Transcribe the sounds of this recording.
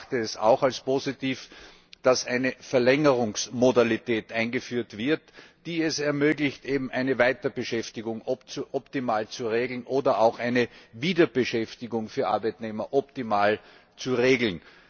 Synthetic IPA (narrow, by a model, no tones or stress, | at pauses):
təːsa̰ʊxalspoːzitiːf | d̥asʔæɪnəfɛɐlɛŋəʁʊŋsmodalitʰɛːtʔaɪ̃nɡəfyːɐtv̥ɪɐtd̥iːɛsɛɐmøːɡlɪçtʔeːbm̩ʔæɪnəvaɪtɐbəʃɛftɪɡʊŋɔʔɔptimaːlt͡suʁeːɡl̩nʔoːdɐʔaʊxʔæɪnəviːdɐb̥əʃɛftɪɡʊŋfyːɐʔa̰ɐbæɪtneːmɐʔɔp̚timaːl | t͡suʁeːɡl̩n